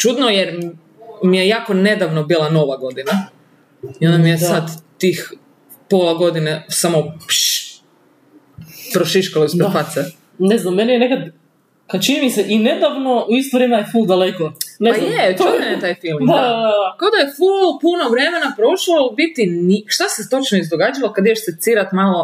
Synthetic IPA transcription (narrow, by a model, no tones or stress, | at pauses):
t͡ʃud̪nojeɾ | mijejaːkone̞d̪aʋnobilˠanoʋaɡo̞d̪ina | iond̪amijesad̪t̪ix | polˠaɡod̪inesamopʃ | pɾoʃiʃkaloisɾepase | neznamːenijenekad̪ | kat͡ʃinimiseʔine̞d̪aʋno̞uist̪oʋɾemeajefulˠd̪alekonejet͡ʃunaet̪aːjfilˠmd̪aad̪aakaod̪ajefullpunoʋɾe̞menapɾo̞ʃlobit̪iniʃt̪aset̪o̞t͡ʃnoizd̪oɡad͡ʒaʋakad̪ijeʃset̪siɾat̪malo